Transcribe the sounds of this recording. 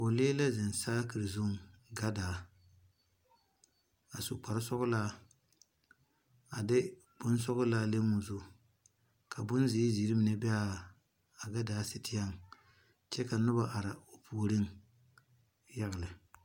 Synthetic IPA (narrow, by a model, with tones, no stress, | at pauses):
o˨leː˦la˦zɪ˨nsaː˦kɨ˨ɾɨ˨zʊ˦˨ŋɡa˦daː˨˦ | a˨sʊ˨k͡pa˨ɾɪ˦sɔ˦ɣʊ˦laː˦ | a˨dɪ˦ | b̥ʊ˦n˦sɔ˦ɣʊ˦laː˦le˦mu˨zʊ˦ | kʰa˨bʊ˦nzɪ˨˦zi˨˦ɾi˦mɪ˨nɛ˦bɛ˦a˦˨ | a˨ɡa˦daː˨˦sɪ˨tɪ˦ja˦˨ŋ | t͡ʃɛ˦ka˨nʊ˦ba˨ʔa˨ɾa˨o˨pʰu˨ɾɪ˦ŋ | ja˦ɣɪ˨lɪ˨